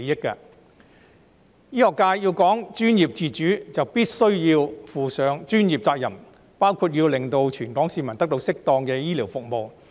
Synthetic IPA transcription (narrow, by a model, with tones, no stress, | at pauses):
jɪ˥kːɐ̰˧ | jiː˥hɔː˨˩kːaː˧jjiː˧wkɔː˨˥ŋt͡ʃyː˥njiː˨p̚t͡siː˨˩t͡ʃyː˨˥t͡sɐ˨wpiː˥t̚sɵ˥ɥjiː˧wfuː˨sœː˨˥ŋt͡ʃyː˥njiː˨p̚t͡saː˧k̚jɐ̰˨˩m | paː˥wkʰuː˧t̚jiː˧wlɪ˨˩ŋt̪o˧wt͡ʃʰyː˨˩nkɔː˨˥ŋsiː˧mɐ˨˩nt̪ɐ˥k̚t̪o˧wsɪ˥k̚t̪ɔː˧ŋkɛː˧jiː˥liː˨˩wfʊ˨k̚mo˨w